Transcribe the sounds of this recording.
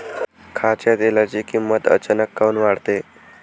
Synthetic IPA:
kʰat͡ɕjat̪jelat͡ɕiːkimːət̪ə̰t͡ɕanəkːaunʋaɽt̪e

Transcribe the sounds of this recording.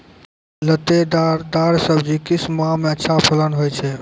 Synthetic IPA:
lət̪ed̪aɾd̪aɾsəbʱd͡ʒikismãmeətːʃʰapʰələnɦojt͡ʃʰɛ

